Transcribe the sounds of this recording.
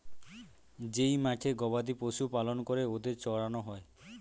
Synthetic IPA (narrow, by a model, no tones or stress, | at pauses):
d͡ʒejmaʈʰeɡɔbad̪iposupalɔnɔkɔɾeod̪et͡ʃɔɽanɔɦɔe